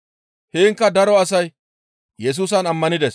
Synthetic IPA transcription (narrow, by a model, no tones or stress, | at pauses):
heːŋkːɐd̪ɐɾɔɐsɐj | jɛs̬uːs̬ɐnɐmːɐnɪd̪ɛs